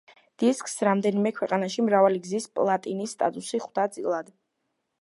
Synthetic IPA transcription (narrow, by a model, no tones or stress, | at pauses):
d̪̥iskʰʼsɾamd̪ɛnimɛkʰwɛqʼanaʃimɾavaliɡzispʼlˠat̪ʼinisːt̪ʼa̰t̪ʼusiχd̪at̪sʼilˠad̪